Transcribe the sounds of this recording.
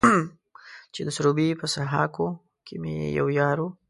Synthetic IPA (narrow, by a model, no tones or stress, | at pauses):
t͡ʃed̪əsɾubipəsaɦɑko | kʰemejḛja̰wjɑɾu